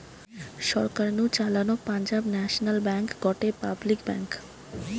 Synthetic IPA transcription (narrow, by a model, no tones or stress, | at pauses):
ʃɔɾkaɾnut͡ɕalanopand͡ʑabnɛʃonalbɛŋkɡɔʈepablikbɛŋk